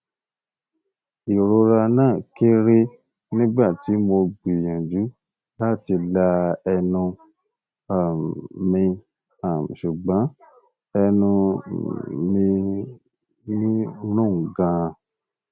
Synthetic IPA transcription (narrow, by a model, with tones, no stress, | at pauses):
i˨ɾo˧ɾa˧nãː˦˨ke˦ɾe˦ | nĩ˦ɡ͡ba˦˨ti˨˦mo˧ɡ͡bi˨jã˨d͡ʒu˨˦ | la˦˨ti˧la˧ɛ˧nũ˧ | a˨mĩ˧ | a˨ʃu˨ɡ͡bã˨˦ | ɛ˧nũ˧ | mĩ˧ | nĩ˦nũ˦˨ɡã˧˨